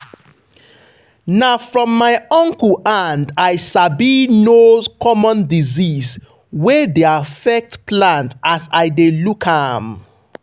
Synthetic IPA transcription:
nafɹɔ̃mːaɪɔ̃ŋklʔandajsabinokʰɔmɔ̃ndizis | wɛdeafɛk̚tplãntasaɪdelukʰham

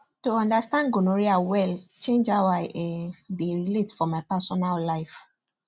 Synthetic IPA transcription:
tuɔ̃ndastãnɡonoɹiawɛlt͡ʃẽnd͡ʒawaʔɛdeɹiletfɔmaɪpɛsɔnallaɪf

